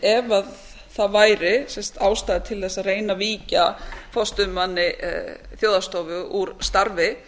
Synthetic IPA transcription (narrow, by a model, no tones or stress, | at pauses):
ɛvað | θaðvaːjɾɪsɛnst̪aːwst̪aːðɪt̪ʰɪlθɛsːaðreːjnaviːcafɔst̪ʏmːanːɪθjoːwðast̪oːwvʏuɾst̪aɾvɪ